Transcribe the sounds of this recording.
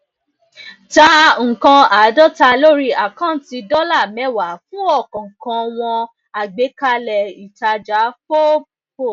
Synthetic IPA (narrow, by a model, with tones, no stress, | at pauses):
ta˦ŋ̩˨kã˧a˨˦dɔ˦ta˧lo˦ɾi˦a˨kã˦˨n˦ti˧dɔ˦la˦˨mɛ˨˦wa˨˦fũ˦ɔ˦˨kɔ̃˨ŋ̩˨kã˧w̃ɔ̃˧ | a˨ɡ͡be˨˦ka˧lɛ˨i˨ta˧d͡ʒa˨˦fo˦bu˦˧ko˦˨